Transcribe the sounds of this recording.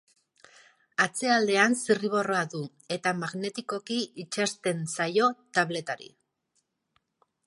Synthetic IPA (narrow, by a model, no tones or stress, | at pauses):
at͡se̞ald̪e̞ansiriβ̞o̞ro̞aðu | e̞t̪amaɣne̞t̪iko̞kiit͡ʃast̪e̞nsajo̞t̪aβle̞t̪aɾḭ